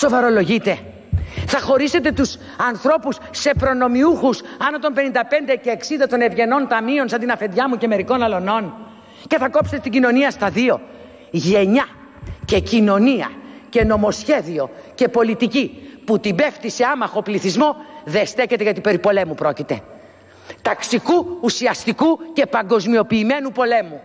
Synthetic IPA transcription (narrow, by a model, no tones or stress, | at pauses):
so̞vɐɾo̞lo̞ʝit̪e̞ | θɐxo̞ɾise̞t̪e̞t̪us | ɐnθɾo̞pusːe̞pɾo̞no̞miuxusɐnot̪o̞mpe̞nind̪ɐpe̞nd̪e̞ce̞ːksind̪ɐt̪o̞nevʝe̞no̞nt̪ɐmio̞nsɐnd̪inɐfe̞nd̪ʝɐmuce̞me̞ɾiko̞nɐlo̞no̞n | ce̞θɐko̞pset̪et̪iɲɟino̞niɐst̪ɐðio̞ | ʝe̞ɲɐ | ce̞cino̞niɐ̰ce̞no̞mo̞sçe̞ðio̞ | ce̞po̞lit̪iciput̪ibe̞ft̪iseɐmɐxo̞pliθizmo̞ðest̪e̞çet̪eʝɐt̪ipe̞ɾipo̞le̞mupɾo̞cit̪e̞ | t̪ɐksikuːsiɐst̪ikuce̞pɐŋɡo̞zmio̞piːme̞nupo̞le̞mu